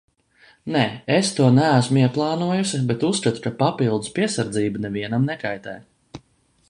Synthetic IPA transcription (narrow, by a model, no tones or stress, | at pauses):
nɛːest̪uɔnææsmʊiɛplˠɑːnuɔjusibɛt̪usːkat̪u̥kapapilˠd̪uspiɛsaɾd̪ziːbanɛviɛnamnɛkajt̪ɛ̰ːj